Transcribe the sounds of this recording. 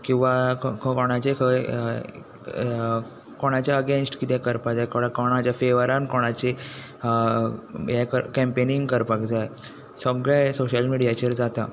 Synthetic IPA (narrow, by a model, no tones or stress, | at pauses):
kĩw̃ʋakkɔɽ̃at͡ɕekʰə | koɽ̃at͡ɕjaəɡẽnsʈkit̪ɛkəɾpad͡zajkoɽakoɽ̃at͡ɕjafeʋəɾankoɽ̃at͡ɕe | ɦɛkəɾkɛ̃mpeniŋɡkəɾpakd͡zaj | səɡɭɛ̃soɕəlmiɽijat͡ɕəɾd͡zat̪a